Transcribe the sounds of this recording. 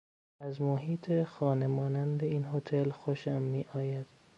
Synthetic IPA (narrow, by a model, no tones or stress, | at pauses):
æzmoɦiːt̪ʰexɒːnemɒːnænd̪eiːnɦot̪ʰelxoʃæmːiːʔɒːjæd̪̥